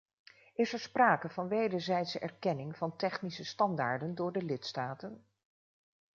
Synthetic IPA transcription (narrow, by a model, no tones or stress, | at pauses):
ɪsɛɹspraːkəv̥ɑnʋejdəɹzɛjtsəʔɛ̰ɹkɛnɪŋv̥ɑntɛχnisəstɑndaːɹdəndʊːɹdəlɪtstaːtən